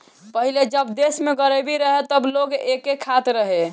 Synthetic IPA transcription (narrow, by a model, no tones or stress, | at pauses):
pəɦiled͡ʒəbd̪esmeɡəɾebiɾəɦet̪əbloɡekekʰat̪ɾəɦe